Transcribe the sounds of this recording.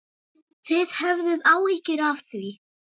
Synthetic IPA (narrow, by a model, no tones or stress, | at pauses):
θɪð̥hɛvðɪðawɪhcɪɾavθɥi